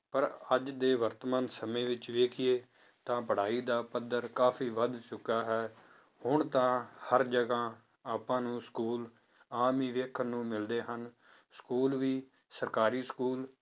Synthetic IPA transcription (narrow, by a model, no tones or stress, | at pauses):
pəɾəd͡ʒd̪eːʋəɾt̪mãːnsəmẽːʋɪt͡ʃʋeːkʰɪjeː | t̪ãːpəɽ̤aːiːd̪aːpəd̪ːəɾkaːfʰiːʋəd̪t͡ʃʊkaːɦɛː | hʊɳt̪ãːhəɾd͡ʒəɡãː | aːpãːnũːskuːl | aːmiːʋeːkʰənũːmɪld̪eːɦən | skuːlʋiː | səɾkaːɾiːskuːl